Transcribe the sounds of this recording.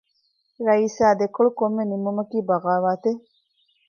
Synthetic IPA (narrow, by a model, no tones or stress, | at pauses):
ɾɐiːsaːd̪ekoɭukomːenimːumɐkiːbɐʁaːʋaːt̪e